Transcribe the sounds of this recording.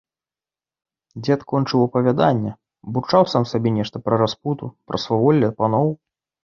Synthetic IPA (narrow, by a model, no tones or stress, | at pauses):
d͡zʲɛt̪kɔnt͡ʂɨwɐpɐvʲad̪anʲːɛ | but͡ʂawsamsabʲɛnʲɛʂt̪ɐpɾɐɾasput̪upɾʔɐsvavɔlʲːɐpanɔw